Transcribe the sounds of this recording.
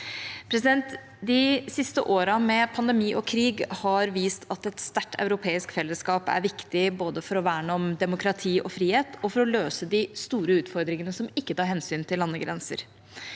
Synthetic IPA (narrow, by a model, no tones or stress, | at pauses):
pʰɾɛsɪd̪ɛnt̪ | d̪ɪsɪst̪ə̰ʔoːɾɑmɛpʰɑnd̪ɛmiːʔɔkʰɾiːɡhɑɾʋiːst̪ʰɑt̪ɛt̪st̪æʈʰːœ̰ʉɾʊpʰeːɪskfɛlːəskɑːpæ̰ɾʋɪkt̪ɪboːd̪əfɔɾɔʋæːɳɔmd̪ɛmʊkɾɑt̪ʰiːʔɔfɾiːheːt̪ʰɔfɔɾɔløːsəd̪ɪst̪uːɾəʉːt̪fɔɾd̪ɾɪŋənəsɔmɪkːət̪ʰɑːɾhɛnsyːnt̪ʰɪlːɑnːəɡɾɛnsə̰ɾ